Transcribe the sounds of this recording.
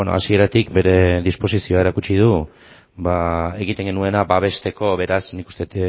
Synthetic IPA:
no̰a̰sie̞ɾat̪ikbe̞ɾe̞ðispo̞sisio̞ae̞ɾakut͡ʃið̞u | bae̞ɣ̞it̪e̞ŋɡe̞nue̞nabaβ̞e̞st̪e̞ko̞βe̞ɾasnikust̪e̞t̪

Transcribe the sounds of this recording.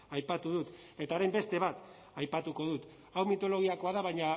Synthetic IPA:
ajpat̪uðut̪ | e̞t̪aɾejmbe̞st̪e̞β̞at̪ | ajpat̪uko̞ðut̪ | awmit̪o̞lo̞ɣ̞iako̞aðaβajɲa

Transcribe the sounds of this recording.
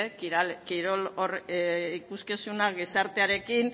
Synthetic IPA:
kiɾalkiɾo̞lorikuskisunaɣisaɾt̪eaɾe̞kin

